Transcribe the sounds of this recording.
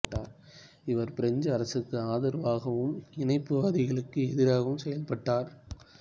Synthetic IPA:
ʈːaːɾ | ɪʋɐɾpɪɾɐɲd͡ʒɐɐɾɐsɯkːɯaːðɐɾʋaːɣɐʋɯmɪnɐɪpːɯʋaːðɪɣɐɭɯkːɯɛðɪɾaːɣɐʋɯmsɛjɐlpɐʈːaːɾ

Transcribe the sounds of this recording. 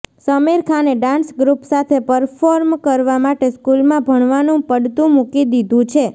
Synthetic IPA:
səmeɾkʰaneɖãnsɡɾupsat̪ʰepəɾfoɾmkəɾʋamaʈeskulmãbʱəɳ̃ʋanũpəɽt̪ũmukid̪id̪ʱũt͡ʃʰe

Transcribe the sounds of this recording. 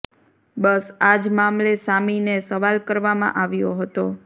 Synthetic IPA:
bəsad͡ʒmamlesaminesəʋalkəɾʋamã̰ʔaʋjo̰ɦət̪o

